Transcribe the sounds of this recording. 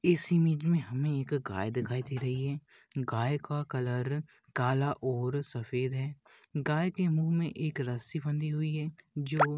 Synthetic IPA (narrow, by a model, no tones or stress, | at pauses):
ɪsimiːd͡ʒmẽɦɐmẽeːkɡa̰ːjd̪ɪkʰaːit̪ʰiɾɐɦiɦɛːɡaːekakɐləɾ | kaːlaʔɔːɾsɐfeːd̪ɦɛːɡaːekemuːɦmẽʔeːkɾɐsibə̃nd̪iɦʊiɦɛːd͡ʒoː